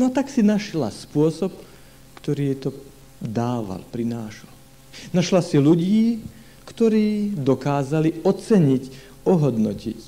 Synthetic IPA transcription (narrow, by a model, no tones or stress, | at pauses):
nɔt̪aksinaʃla̰spʊɔsɔp | kt̪ɔɾiːjɛt̪ɔ | d̪aːʋa̰lpɾinaːʃlal | naʃlasiluɟiː | kt̪ɔɾiːd̪ɔkaːzaliɔt͡sɛɲic | ɔɦɔd̪nɔcic